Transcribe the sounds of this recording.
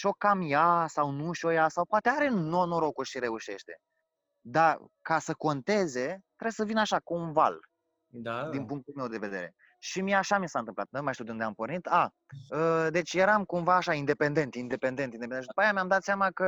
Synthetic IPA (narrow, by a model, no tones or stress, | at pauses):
ʃo̞kːamjasawnuʃojasawpoat̪e̞aɾe̞nonoɾo̞kuʃiɾe̞uʃe̞̰ʃt̪e̞̰ | d̪akasəko̞nt̪e̞ze̞t̪ɾebsəvinaʃakuunva̰l | d̪d̪inpuŋk̚t̪ulme̞wd̪e̞ve̞d̪e̞ɾe̞̰ | ʃimiaʃamisaɨnɨmpla̰t̪̚nenmajʃt̪iuwd̪und̪eampo̞rnit̪a | əd̪e̞t͡ʃʲjeɾamkumvaːʃaind̪e̞pe̞nd̪e̞nt̪ind̪e̞pe̞nd̪e̞nt̪ind̪ed̪upajamʲamd̪at̪seamakə